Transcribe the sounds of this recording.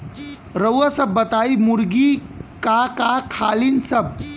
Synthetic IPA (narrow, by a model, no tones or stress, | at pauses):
ɾəwasəbːət̪aimuɾɡikakakʰalinsəb̚